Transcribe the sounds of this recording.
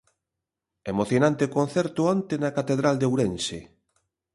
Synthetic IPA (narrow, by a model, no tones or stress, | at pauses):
emoθjonãnt̪ekonθɛɾt̪ʊɔnt̪enɐkat̪eðɾald̪ewɾense